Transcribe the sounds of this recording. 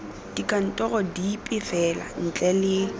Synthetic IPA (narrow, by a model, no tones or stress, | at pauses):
d̥ikʼan̩tʼɔɣɔdipʼɪfɛla̰n̩t͡ɬʼɛlɪ